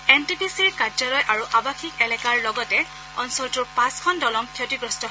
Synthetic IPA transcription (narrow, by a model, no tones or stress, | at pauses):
entipʰisiɹkad͡ʒɔlɔjʔaɹuʔabakʰikɛlɛkaɹlɔɡɔtɛ | ɔnsɔɹtuɹpãskʰɔndɔlɔmkʰjotiɡɹɔstɔ